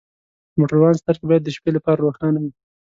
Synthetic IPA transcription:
moʈaɾwɑnst̪aɾkebɑjad̪ːəʃpelapɑɾaɾoxɑnawi

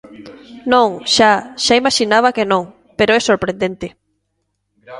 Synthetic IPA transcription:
nõŋʃaʃaimaʃinaβ̞akenõŋ | peɾoɛsoɾpɾẽnd̪ent̪ɪ

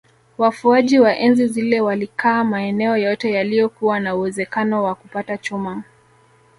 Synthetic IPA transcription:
wafuaʄiwaʔɛnzizilɛwalikʰaːmaɛnɛɔjɔtɛjalijɔkuwanauwɛzɛkanɔwakupatat͡ʃuma

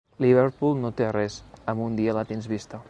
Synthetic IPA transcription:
liβeɾpulˠnot̪erɛsəmund̪iələt̪enzβist̪ə

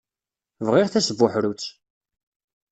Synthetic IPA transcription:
vʁɪʁθæsəvːʊħɾut͡sː

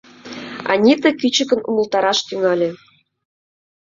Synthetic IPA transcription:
ɑ̰nʲit̪ə̆kyt͡ɕə̆kə̆numə̆lt̪ɑɾɑʃt̪yŋɑlʲe

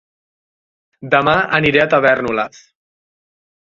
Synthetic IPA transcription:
d̪əmaə̰niɾeat̪əβɛrnula̰s

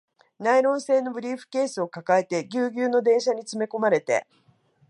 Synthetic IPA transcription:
naiɾõ̞ɰ̃se̞ːno̞bɯ̟ɾʲiːɸɯ̟̥ke̞ːsɨo̞kakae̞t̪e̞ɡʲɨːɡʲɨːno̞d̪ẽ̞ɰ̃ɕaɲ̟it͡sɨme̞ko̞maɾe̞t̪e̞̰

